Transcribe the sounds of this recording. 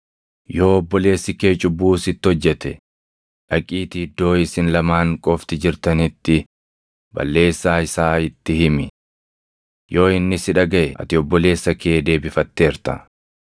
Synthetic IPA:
jo̞ːɔbːɔle̞ːsːɪke̞ːt͡ʃʼʊbːuːsɪt̪ːɪhɔd͡ʒːɛt̪ɛ | ᶑɐkʼiːt̪ɪɪd̪ːo̞ːɪsɪnlɐmaːŋkʼɔft̪ɪd͡ʒɪɾt̪ɐnɪt̪ːɪ | bɐ̰lːe̞ːsːaːɪsaːɪt̪ːɪhɪmɪ | jo̞ːɪnːɪsɪᶑɐɡɐʔɛɐ̰t̪ɪɔbːɔle̞ːsːɐke̞ːd̪e̞ːbɪfɐt̪ːe̞ːɾt̪ɐ̰

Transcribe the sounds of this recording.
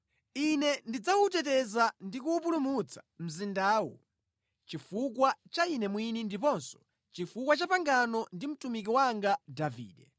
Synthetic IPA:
inɛndid͡zaut̬ɛtɛzandikuːpulumut͡sʰḁm̩zindaːwɔ̰ | t͡ʃifuk̬wat͡ʃainɛmwinindipɔnsɔ̥ | t͡ʃifukwat͡ʃapaŋɡanɔndim̩tumik̬iwaŋɡadavḭːɗɛ

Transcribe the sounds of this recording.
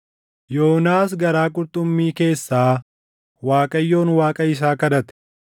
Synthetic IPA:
jo̞ːnaːs̬ɡɐɾaːkʼʊɾt̪ʼʊmːiːke̞ːsːaː | waːkʼɐjːo̞ːnwaːkʼɐɪs̬aːkɐd̪ɐt̪ɛ̥

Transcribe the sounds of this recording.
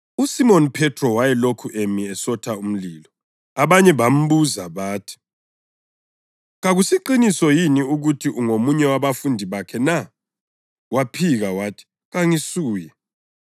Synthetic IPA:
usimonpʰɛtʰrɔwajɛlokʰuʔemiɛsɔtʰaum̩lilɔ | aβaɲɛβam̩βuzaβaːtʰi̥ | ɣaɣusiǃinisɔjiniuɣutʰiʔuŋomuɲɛwaβafundʱiβakʰɛna | wapʰiɣawaːtʰi̥ | ɣaŋisuːjɛ

